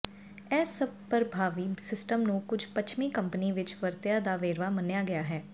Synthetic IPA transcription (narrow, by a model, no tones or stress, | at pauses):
ɛːsəb̚pəɾbʱaːʋiːsɪsʈəmnũːkʊd͡ʒʱpət͡ʃʰmiːkəmpəniːʋɪt͡ʃʋəɾt̪ɪjaːd̪aːʋeːɾʋaːmənjaːɡɪjaːɦɛː